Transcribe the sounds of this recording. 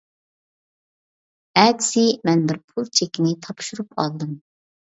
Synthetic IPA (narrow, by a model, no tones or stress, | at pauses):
ɛt̪sɪmɛnbɪɾpʰulˠt͡ʃʰekʲɪnɪt̪ʰɑpʃuɾupɑ̰lˠd̪ɨm